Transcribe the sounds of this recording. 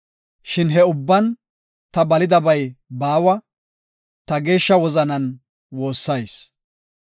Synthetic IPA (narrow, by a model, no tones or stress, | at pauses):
ʃɪnɦɛʊbːɐn | t̪ɐbɐlɪd̪ɐbɐjbaːwɐ | t̪ɐɡe̞ːʃːɐwɔzɐnɐn | wo̞ːsːɐjs